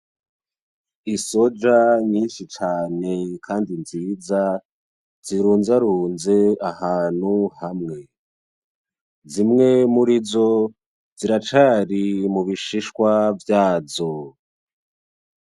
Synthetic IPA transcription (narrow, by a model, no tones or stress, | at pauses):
iso̞d͡ʒaɲiːnʃit͡ʃaːne̞kʰaːndinziːza | ziɾuːnzaɾuːnze̞ahaːn̥huhamŋe̞ | zimŋe̞muɾizo̞ | ziɾat͡ʃaɾimuβiʃiʃwavjaːzo